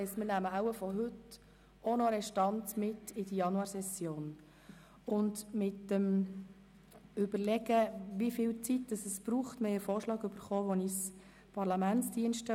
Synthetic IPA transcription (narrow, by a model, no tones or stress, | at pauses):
ɛstmɪːnæməaʊəfɔɦɵt | ɔnɔɾɛʃtɑnt͡smɪtːɪdəjɑnuɑːɾsɛsjoːn | ʊndmɪtːəm | ʏb̥əɾlɛɡəʋifɪːlt͡sitd̥ɑsəsb̥ɾuːχtmɪəfoːɾʃlɑːɡʏb̥əɾχɔːʋɔnis | pʰɑɾlɑmænt͡sd̥iənʃtə